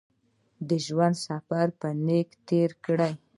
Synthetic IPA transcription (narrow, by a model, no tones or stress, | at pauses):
d̪əʒwand̪safaɾpənekt̪eɾkɽaj